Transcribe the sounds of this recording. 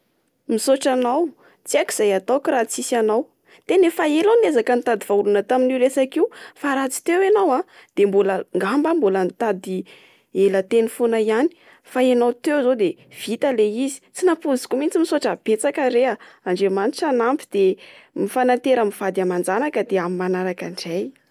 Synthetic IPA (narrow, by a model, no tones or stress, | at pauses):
misoʈ͡ʂanaw | t͡siaki̥z̥ajat̪okirat͡sisanaw | t̪enefaelanezakənit̪ad̪iv̥aulunət̪aminiɾesakiufaɾat͡si̥t̪ewanawã | d̪̥embuləŋɡambambulənt̪ad̪i | elət̪enifonaiani̥ | faenawt̪ewzod̪ev̥it̪aleizi̥t͡sinapuzi̥kumint͡simisoʈ͡ʂab̥et͡sakəɾeaaɳɖ͡ʐemaniʈ͡ʂanampi̥d̪̥emifanant̪eɾəmiv̥ad̪amand͡zanakəd̪eamimanaɾakaɳɖ͡ʐaj